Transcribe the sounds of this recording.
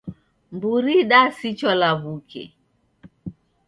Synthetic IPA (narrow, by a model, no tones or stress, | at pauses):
mbuɾiɗasit͡ʃɔlaβukɛ̰